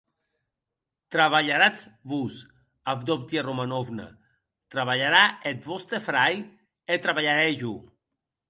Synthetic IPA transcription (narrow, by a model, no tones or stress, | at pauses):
t̪ɾaβaʎaɾat͡sβus | avd̪opt̪jeromanovna̰ | t̪ɾaβaʎaɾaet̪βɔst̪efɾaj | et̪ɾaβaʎaɾeʒu